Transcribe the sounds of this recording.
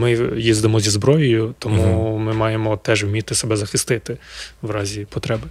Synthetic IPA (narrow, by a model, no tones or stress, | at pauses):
mɪjizd̪ɪmɔzʲizbɾɔjɔjʊt̪ɔmumɪmɑjemɔt̪ɛʒwmʲit̪ɪsebɛzɐxɪst̪ɪt̪ɪʋɾɑzʲipɔt̪ɾɛbɪ